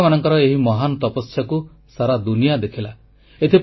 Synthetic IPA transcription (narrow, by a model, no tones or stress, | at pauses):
manɔŋkɔɾɔeɦimɔɦanɔt̪ɔpɔsjɔku | saɾad̪unijad̪ekʰila | et̪ʰip